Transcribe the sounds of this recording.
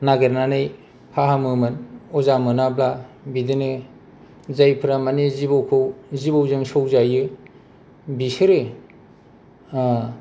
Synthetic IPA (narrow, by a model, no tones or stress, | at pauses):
naɡeɾnanɯj | hʰaɦamɯmɯnɔzamɯnabla | bidɯnɯ | zajpʰɾamanizibowkʰɯwzibawzɯŋsowzajɯ | bisɯɾɯ